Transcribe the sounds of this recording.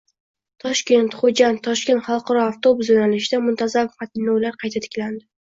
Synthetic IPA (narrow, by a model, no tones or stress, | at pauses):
t̪ʰɒʃkʲe̞nt̪χod͡ʒant̪ʰːɒʃkʲe̞nt̪χɑlˠqɑɾɒaft̪o̞bʊs̬jonalɪʃɪd̪amʊnt̪ʰazamqʰɑt̪ʰɪnːɒwlaɾqʰɑjt̪ʰat̪ʰɪ̥kʲland̪ɪ